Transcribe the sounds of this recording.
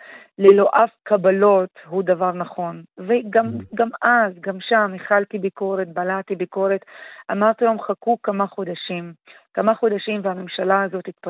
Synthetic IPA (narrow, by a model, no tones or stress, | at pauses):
lelo̞ʔafkabalo̞t̪hud̪avaʁnaχo̞nveɡamɡamʔazɡamʃameχalt̪ibiko̞ʁet̪̚balat̪ibiko̞ʁet̪ʔamaʁt̪ilamχakukamaχod̪aʃim | kamaχod̪aʃimvehamemʃalaazo̞t̪it̪̚pa